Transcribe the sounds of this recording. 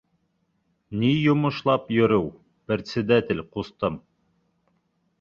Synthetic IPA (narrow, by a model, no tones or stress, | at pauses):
nijŏmŏʃlˠɑpjɵ̆ɾɘw | p̆ɾʲt̪ʲsʲɘ̆d̪æt̪ʲɘlʲqust̪ɤm